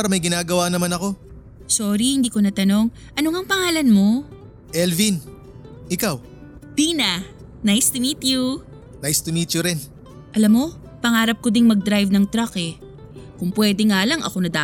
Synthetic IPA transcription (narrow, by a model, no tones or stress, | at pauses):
aːɾɐmɐjɡɪnaːɡɐwanɐmanɐko̞ | soːɾihɪnd̪iːko̞nɐt̪ɐno̞ŋ | ʔɐnoŋɐŋpɐŋaːlɐnmo̞ | ʔɛlvin | ʔɪkaw | b̥iːna | najst̪ɪmiːt̪ju | najst̪ɪmiːt̪jʊɾɪn | ʔɐlamːo̞ | pɐŋaːɾɐp̚kod̪ɪŋmɐɡ̚d̪ɾajvnɐŋt̪ɾɐkɛ | kʊŋpwɛːd̪ɛŋaːlɐŋɐ̰ko̞nɐd̪aː